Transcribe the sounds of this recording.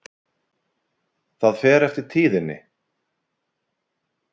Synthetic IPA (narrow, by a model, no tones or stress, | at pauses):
θaðfɛːɾɛft̪ɪɾ̥t̪ʰiːðɪnːɪ̰